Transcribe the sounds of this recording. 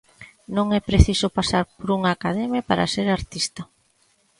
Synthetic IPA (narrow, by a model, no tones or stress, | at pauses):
nõŋɛpɾeθisopasaɾpoɾuŋaːkaðɛmepa̰ɾa̰seɾaɾt̪ist̪ɐ